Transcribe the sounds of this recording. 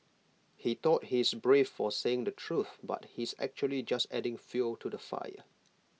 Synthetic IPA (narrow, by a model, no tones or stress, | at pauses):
hit̪ɔt̚hisbɹefːɔseɪ̃ŋdətʰɹuθba̰t̚hisɛ̰k̚t͡ʃuəlid͡ʒastɛdɪ̃ŋfjultʰudəfa̰jə̰